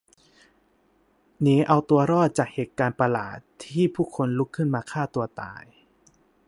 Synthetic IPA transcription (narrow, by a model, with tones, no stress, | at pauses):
niː˦˥ʔa˧wt̪u˧ɐɾɔː˥˩t̪̚t͡ɕaː˨˩k̚heː˨˩t̪̚kaː˧npa˧la̰ː˨˩t̪ʰːiː˥˩pʰuː˥˩kʰo˧nlu˦˥kʰːɯ˥˩nmaː˧kʰaː˥˩t̪u˧ɐt̪a̰ː˧j